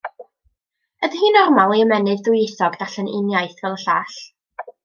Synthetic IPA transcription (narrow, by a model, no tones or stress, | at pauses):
ədəhiːnɔrmalˠiəmɛnɨðdʊjɪθɔɡdaɬənɪnjajθɡ̥alˠəɬaːɬ